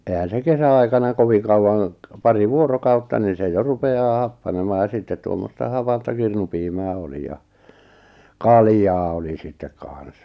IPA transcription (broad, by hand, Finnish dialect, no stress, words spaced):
ehæn̞ se kesæɑikɑnɑ koʋiŋ̆ kɑuwɑŋ pɑri ʋuorokɑutːɑ ni se jo rupeɑː hɑpːɑnemɑː jɑ sitːet tuomːostɑ hɑpɑntɑ kirnupiːmæː oli jɑ kɑljɑː oli sitːek kɑˑn̞s